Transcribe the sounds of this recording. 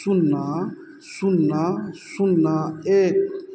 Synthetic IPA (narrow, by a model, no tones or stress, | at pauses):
suna | sunasunae